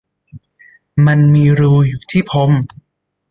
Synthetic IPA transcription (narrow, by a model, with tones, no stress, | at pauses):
ma˧nmiː˧ɾuː˧juː˨˩t̪ʰiː˥˩pʰo˨˧˦m